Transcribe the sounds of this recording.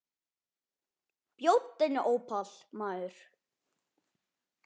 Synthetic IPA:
pjowt̪ːenɪʔoːwpʰalmaːðʏɾ̥

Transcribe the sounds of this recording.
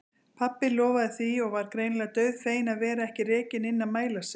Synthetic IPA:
pʰapːɪlɔːvaðɪθviɔɣvaɾ̥kɾejnlɛɣat̪œɥðfeːjɪnaðvɛːɾaɛhcɪrɛːcɪnɪnːamaːjlasɪ

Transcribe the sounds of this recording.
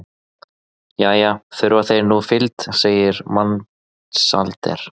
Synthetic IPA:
jaːjaːθʏɾvaθejɾnufɪlt̪seːjɪɾman | sa̰lt̪ɛ̰ɾ̥

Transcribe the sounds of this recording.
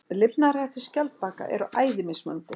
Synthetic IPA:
lɪpnarajht̪ɪ̥scalt̪̚paːka̰ʔɛ̰ɾʏʔaːjðɪmɪsmœ̰nt̪ɪ

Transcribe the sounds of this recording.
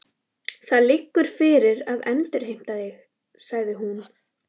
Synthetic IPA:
θaðlɪkːʏɾ̥fɪɾɪɾaðɛnt̪ɪɾ̥hejm̥t̪aðɪx | saɣðɪɦun

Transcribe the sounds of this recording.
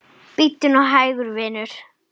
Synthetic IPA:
pit̪ːɪnɔɣɦaːjɣʏɾvɪːnʏɾ̥

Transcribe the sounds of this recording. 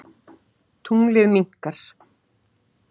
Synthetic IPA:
t̪ʰuŋlɪðmiŋ̥kaɾ̥

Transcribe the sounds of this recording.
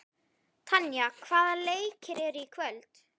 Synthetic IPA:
t̪ʰanjakʰvaːðaleːjcɪɾɛɾikʰvœlt̪

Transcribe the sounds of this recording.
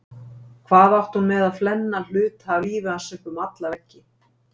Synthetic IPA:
kʰvaːðawht̪hunmɛðaðflɛnːal̥ʏːt̪haviːvʏasɪhkʏmat̪lavɛcːɪ

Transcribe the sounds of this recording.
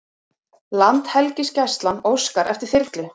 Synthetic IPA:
lant̪hɛlcɪscajst̪lanowskaɾʔɛft̪ɪɾ̥θɪɾt̪lʏ

